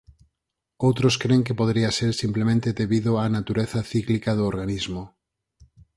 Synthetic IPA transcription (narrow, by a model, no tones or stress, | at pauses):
owt̪ɾʊskɾeŋk̬epoðɾiaseɾsimplemẽnt̪eðeβiðʊanat̪uɾeθaθiklikaðʊoɾɣanizmʊ